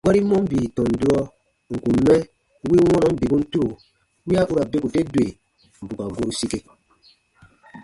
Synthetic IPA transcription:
ɡa˦ɾi˦mɔ̃˦m˦biː˨tɔ̃˨n˨du˦ɔ˦ | ŋ̩˨kũ˨mɛ̃˦ | wi˦wɔ̃˦nɔ̃˨˦m̩˦bi˨bũ˦n̩˦tu˦ɾo˨ | wi˦a˦ʔu˦ɾa˨be˦ku˨te˦dwe˨ | m̩˨bu˨ka˨ɡo˦ɾu˨si˦ke˨

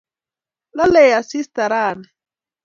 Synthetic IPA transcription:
la˦lɛ˨ja˨si˦st̪a˨ɾaː˨nɛ

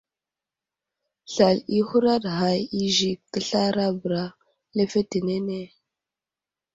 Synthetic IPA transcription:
ɬa˨li˦hu˦ɾa˦ɗɦa˨ji˦ʒi˨kkə˦ɬa˦ɾa˦bɾa˦ | le˦fe˦ti˨ne˦ne˦

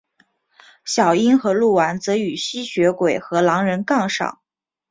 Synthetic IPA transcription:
ɕjɑ˨˩ʊi˥nxɤ˧˥lu˥˩wa˧˥nt͡sɤ˧˥y˨˩ɕi˥ɕɥɛ˧˥kwe˨˩ɪxɤ˧˥lɑ˧˥ŋɻə˧˥nkɑ˥˧ŋʂɑ̰˨˩˦ŋ

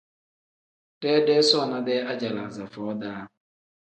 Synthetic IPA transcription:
de˦de˦sɔ˦ɔ˨na˨dɛ˦a˦d͡ʒa˨la˨za˨fɔ˨ɔ˦da˦a˦ɦʊ˨

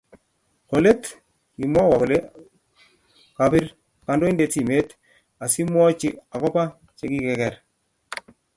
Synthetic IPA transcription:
ko˨le˦t | i˨mwa˦wa˨bɔ˨le˦ | ka˨pɪ˦ɾ | ka˨ndo˦i˦nde˨ti˨me˦t | a˨si˦mwɔ˦t͡ʃi˦a˨kɔ˦pa˦ | t͡ʃe˨˦ki˦kɛ˨kɛ˨ɾ

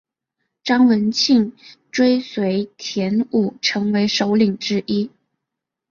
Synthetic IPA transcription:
ʈ͡ʂɑ˥ŋwə˧˥nt͡ɕʰi˥˩ŋʈ͡ʂwe˥ɪswe˧˥ɪt̪ʰjɛ˧˥nu˨˩ʈ͡ʂʰɤ˧˥ŋwe˧˥ɪʂo˧˥ʊli˨˩ŋʈ͡ʂɻ̩˥ʔi˥

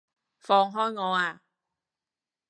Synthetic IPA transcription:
fɔː˧ŋɦɔː˥jŋɔː˨˧aː˧

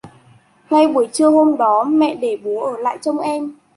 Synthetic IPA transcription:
ŋa˧jɓu˧˩əjt͡ɕɨ˧əho˧mɗɔ˨˦mɛ̰˧˨ɗe˧˩ɓu˨˦ʔəː˧˩la̰ː˧˨jt͡ɕə˧wŋ͡mʔɛ˧m

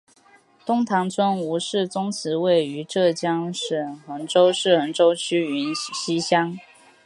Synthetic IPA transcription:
t̪ʊ˥ŋt̪ʰɑ˧˥ŋt͡sʰwə˥nu˧˥ʂɻ̩˥˩t͡sʊ˥ŋt͡sʰɹ̩˧˥we˥˩ɪy˧˥ʈ͡ʂɤ˥˩t͡ɕjɑ˥ŋʂə˨˩nxə˧˥nʈ͡ʂo˥ʊʂɻ̩˥˩xə˧˥nʈ͡ʂo˥ʊt͡ɕʰy˥y˧˥n˨ɕi˥ɕjɑ˥ŋ

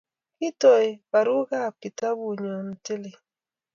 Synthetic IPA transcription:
ki˦tɔ˨i˨ba˨ɾu˦ɣa˦˨p̚ki˨ta˦bu˦˨ɲɔ˨n̩˨te˦le˨

